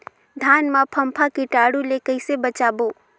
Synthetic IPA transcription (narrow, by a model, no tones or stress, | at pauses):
d̪ʱaːnmãpʰəmpʰakiʈaːɽulekəɪsebət͡ʃaːboː